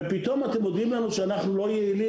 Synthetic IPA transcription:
pit̪o̞mat̪emjod̪imlanuʃeanaχnulo̞jeili

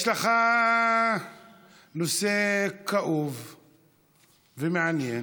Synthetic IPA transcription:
ʃlaχa | nosekaʔuv | vemeʕanjen

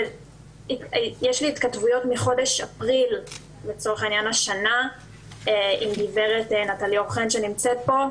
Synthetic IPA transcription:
ijeʃliːt̪katvujo̞tmiχo̞deʃapʁil | be̞t͡so̞ʁeχainjanaʃana | eimdive̞ʁetenataljaoχenʃenimt͡set̚bo̞

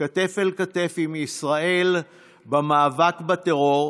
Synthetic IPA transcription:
at̪e̞felkat̪e̞fimisʁae̞l | bamaːvakbat̪eʁo̞ʁ

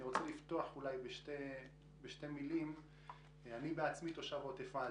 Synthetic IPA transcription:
iʁot͡selift̪oaχulajbeʃte | beʃte̞milim | anibeat͡smit̪o̞ʃavot̪efaa

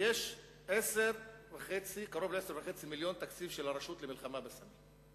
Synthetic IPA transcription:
jeʃ | eseɾvaχet͡sikaɾo̞vleseɾvaχet͡similjo̞nt̪akt͡sifʃelaɾaʃut̪lemilχamabesami

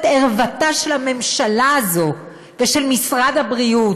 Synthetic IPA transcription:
teʁvataʃe̞lame̞mʃalaːzo̞ | veʃe̞lmisʁadhabʁiut

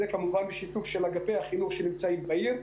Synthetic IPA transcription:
ekamuvanbeʃit̪ufʃelaɡapehaχinuχʃenimt͡saimbbaiʁ

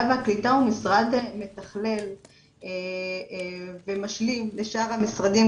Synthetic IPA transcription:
aveaklit̪aumisʁad̪me̞t̪aχle̞l | e | vemaʃlimle̞ʃaʁhamisʁad̪im

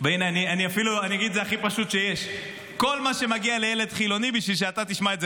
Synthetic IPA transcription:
beinejanianiafiluanijaɡid̪zeaχipaʃut̪ʃeje̞ʃ | ko̞lmaʃe̞maɡialejele̞d̪χilo̞nibiʃvilʃ̬eat̪at̪iʃmaetze

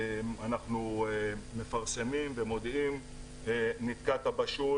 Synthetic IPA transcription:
manaχnuː | e̞faʁsemimvemo̞d̪im | enit̪kat̪abaʃu

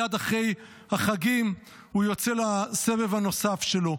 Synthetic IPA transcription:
ad̪aχʁe̞j | haχaɡim | hujo̞t͡selase̞vevano̞safʃe̞lo̞

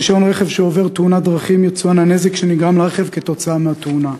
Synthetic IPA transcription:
ʃo̞nʁe̞χevʃeove̞ʁt̪unad̪ʁaχimjot͡suanane̞zekʃeniɡʁamlaʁeχevke̞t̪o̞t͡saameat̪una

